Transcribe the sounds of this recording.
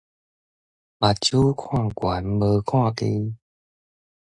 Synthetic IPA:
ma˨˩t͡ɕu˦kʰwã˥˧˨ŋkwa˨˦nbə˧kʰwã˥˧˨ke˧

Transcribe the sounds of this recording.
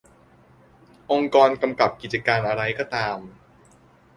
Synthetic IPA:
ʔo˧ŋkɔː˧nka˧mka˨˩p̚ki˨˩t͡ɕa˧kaː˧nʔa˧ɾa˧jkɔː˥˩t̪aː˧m

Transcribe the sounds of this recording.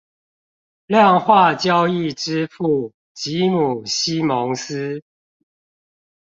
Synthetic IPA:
ljɑ˥˨ŋxwa˥˨t͡ɕjɑ˦ʊi˥˨ʈ͡ʂɻ̩˦fu˥˨ | t͡ɕi˨˦mu˨˩ɕi˦mɔ˧˦ŋs̩˦

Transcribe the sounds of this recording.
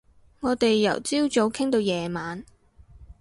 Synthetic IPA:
ŋɔː˨˧t̪e˨jːɐ˨˩wt͡siː˥wt͡ʃo˨˥wkʰɪ˥ŋt̪o˧wjɛː˨maː˨˧n

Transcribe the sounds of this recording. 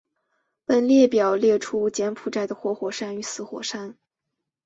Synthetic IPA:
pə˥˧nljɛ˥˩pjɑ˨˩ʊljɛ˥˩ʈ͡ʂʰu˥t͡ɕjɛ˧˥npʰu˨˩ʈ͡ʂa˥˩ɪd̪ə˩xwɔ˧˥xwɔ˨˩ʂa˥ny˧˥sɹ̩˧˥xwɔ̰˨˩ʂa˥n

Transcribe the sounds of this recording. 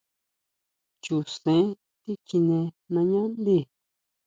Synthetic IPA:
t͡ʃu˨sẽ˨˦ | t̪i˦ki˧nẽ˧ | nã˧ɲã˦nd̪i˦˧˨

